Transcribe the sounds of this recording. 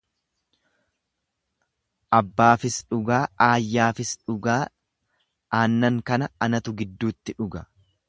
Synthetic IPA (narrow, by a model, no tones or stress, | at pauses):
ʔɐbːaːfɪsᶑʊɡaːʔaːjːaːfɪsᶑʊɡaː | aːnːɐŋkɐnɐɐnɐt̪ʊɡɪd̪ːuːt̪ːɪᶑʊɡɐ